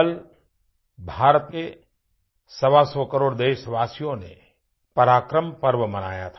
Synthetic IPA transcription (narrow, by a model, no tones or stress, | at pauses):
l | bʱaːɾt̪me | sɐʋasɔkəɾoːɽd̪eːʃʋaːsijõnḛ | pɐɾaːkɾəmpəɾʋəmɐna̰ːja̰t̪ʰː